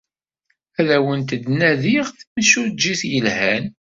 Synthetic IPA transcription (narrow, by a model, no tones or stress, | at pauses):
æðæwənt̪əd̪næðiʁθmʃuɾd͡ʒːiθjəlhæn